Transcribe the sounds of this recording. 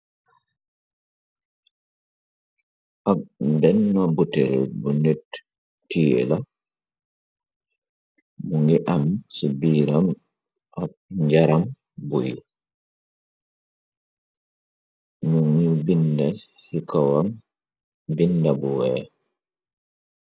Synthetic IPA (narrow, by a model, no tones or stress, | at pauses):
ʔabndɛnːɔbutɛ̰lbunetː | iːɛ̰la | muŋɡiʔamsibiːɾam | ʔabɲd͡ʒaɾam | boji | nuŋibindasikawam | bindabɔwɛ